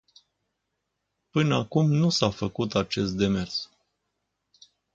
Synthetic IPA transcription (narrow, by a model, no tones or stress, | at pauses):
pɨnəakumnusafəkut̪at͡ʃe̞s̬t̪̚d̪e̞me̞rs